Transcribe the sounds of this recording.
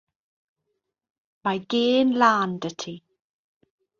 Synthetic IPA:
majɡeːnlaːndətʰi

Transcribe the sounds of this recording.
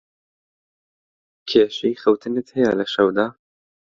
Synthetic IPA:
kʰeːʃejxɐwt̪ʰɨnɨt̪hɛjalɐʃɐwd̪aː

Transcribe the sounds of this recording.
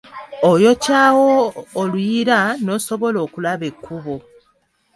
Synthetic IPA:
ojo̞caːwoːlwiɾano̞ːso̞βo̞lo̞ːkulaβe̞kʰːuβo

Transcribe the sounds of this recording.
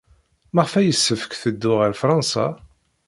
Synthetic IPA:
məʁfæjəsːəfə̥kθəd̪ːʊʁəɾfɾˤɑnsɑ̰

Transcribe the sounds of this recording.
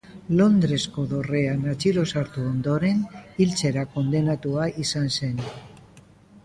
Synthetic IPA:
lo̞nd̪ɾe̞sko̞ðo̞re̞anat͡siɾo̞saɾt̪uond̪o̞ɾe̞nilt͡se̞ɾako̞nd̪e̞nat̪uaisanse̞n

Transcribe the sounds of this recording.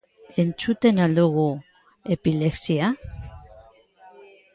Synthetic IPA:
e̞nt͡sut̪e̞nald̪uɣu | e̞pile̞ksia

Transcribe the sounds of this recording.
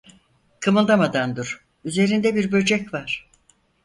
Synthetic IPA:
kʰɯmɯlˠd̪amad̪and̪uɾ̥ | yze̞ɾind̪ɛbiɾbø̞d͡ʒɛcvaɾ̥

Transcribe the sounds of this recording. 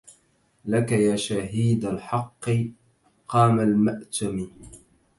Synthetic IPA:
lakajaːʃaɦiːd̪alħɑqːɨ | qɑːmalmaʔt̪ami

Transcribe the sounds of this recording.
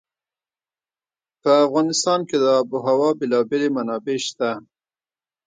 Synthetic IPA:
pəafɣɑnɪst̪ɑnked̪əɑbuɦawɑbɪlɑbelemanɑbeʃt̪a

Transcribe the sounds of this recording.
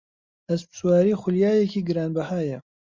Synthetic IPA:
ɐspɨ̥swaːɾiːxʷʊljaːjɛkʰiːɡɨɾaːnbɐhaːjɐ

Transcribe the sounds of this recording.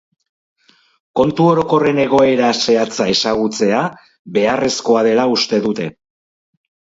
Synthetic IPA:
ko̞nt̪uo̞ɾo̞ko̞re̞ne̞ɣ̞o̞e̞ɾase̞at͡sae̞saɣut͡se̞a | βe̞are̞sko̞aðe̞laust̪e̞ðut̪e̞

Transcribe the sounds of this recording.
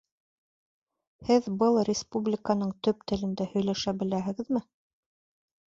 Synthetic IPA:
hɘðbɤlˠrʲɪspublʲɪkanɤɴt̪ɵp̚t̪ɘ̆lɘ̆nd̪æhɵ̆jlæʃæbɘ̆læɦɘ̆ɡɘ̆ðmɘ

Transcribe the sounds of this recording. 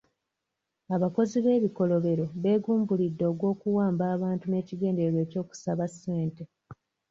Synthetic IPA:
aβako̞ziβe̞ːβiko̞lo̞βe̞ɾo̞βe̞ːɡuːmbulidːo̞ːɡwo̞ːkuwaːmbaːβaːntune̞ːciɡe̞ːndeɾwe̞ːco̞ːku̥saβasːe̞ːnte

